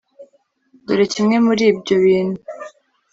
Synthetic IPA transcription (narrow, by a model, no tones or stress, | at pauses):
duɾecimŋe̞muɾiːbɟo̞βiːnhu